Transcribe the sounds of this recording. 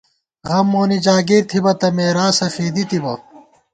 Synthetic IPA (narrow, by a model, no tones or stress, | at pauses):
ɣʁɐmːoːnid͡ʑaːɡiɾt̪ʰibɐt̪ɐmeːɾaːsɐfiːd̪it̪ibɐ